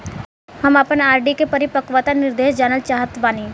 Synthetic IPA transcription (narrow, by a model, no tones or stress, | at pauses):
hɐmɐpənaːɾɖikepɐɾipɐkʋat̪anɪɾd̪eːʃd͡ʒaːnəlt͡ʃaːɦət̪baːniː